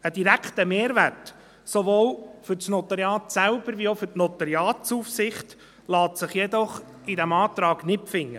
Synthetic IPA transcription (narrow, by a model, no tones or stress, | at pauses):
əd̥iɾækχt̪əmeːɾʋært | soʋoːlfʏɾt͡snɔt̪ɑɾjɑːt̪sæʊb̥əɾʋiofʏɾtnɔt̪ɑɾjɑːtt͡sufsɪχt | lɑːt̪sɪχjɛd̪ɔχ | idæmɑːt̪ɾɑːɡ̥nɪpfɪŋːə